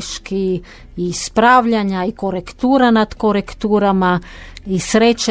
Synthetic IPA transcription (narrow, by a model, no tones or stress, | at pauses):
ʃki | ispɾaːʋʎaɲaikoɾekt̪uːɾanad̪koɾekt̪uːɾamaisɾet͡ʃ